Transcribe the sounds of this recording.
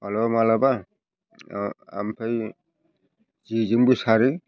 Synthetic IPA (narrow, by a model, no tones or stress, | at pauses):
alɔmalaba | a̰mpʰaj | zizɯŋbisaɾi